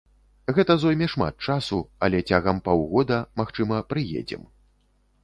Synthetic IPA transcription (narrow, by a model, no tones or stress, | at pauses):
ɣɛt̪ɐzɔjmʲɛʂma̰t̪̚t͡ʂasuɐlʲɛt͡sʲaɣɐmpawɣɔd̪ɐmaxt͡ʂɨmɐpɾɨjḛd͡zʲɛ̰m